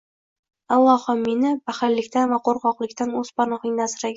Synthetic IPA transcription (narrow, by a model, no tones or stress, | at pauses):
alˠːɒhɒmenɪbahaɾlːɪkʲt̪anvaqʰoɾqɒqlˠɪkʲt̪anɵzpaɾnɒχɪŋnasɾaɡʲɪ